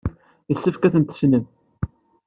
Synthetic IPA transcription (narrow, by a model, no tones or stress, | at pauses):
əsːəfkæθənt̪ə̥snən